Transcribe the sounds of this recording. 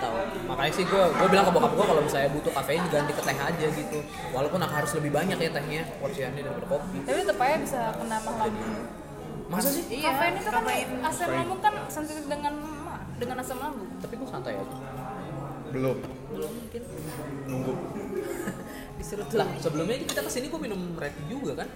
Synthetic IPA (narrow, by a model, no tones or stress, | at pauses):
t̪a̰u | makaɲasɪhɡuaɡuabilaŋkabuakap̚ɡuakalomisajabut̪ʊkafeɪnɡant̪ikət̪eɦad͡ʒaɡit̪u | walapʊnakaɦaɾʊsləbɪhbaɲak̚jat̪ɛɦɲakəwarsianɲadaɾipadakopit̪apit̪əpajabisakənamalamu | mas̬as̬ɪhijafaɪnit̪ukaaasɛmlaŋʊŋk̪ansənt̪idəŋan | ma | dəŋanasɛmlaŋɡʊt̪apikusant̪aja̰t̪ʊ̥ | bəlʊm | bəlʊmːuŋkɪn | nuŋɡʊ | bist̪iɾʊt̪lahsəbəlʊmɲakukit̪akəsiniɡuaminʊmːɾet̪id͡ʒuɡakan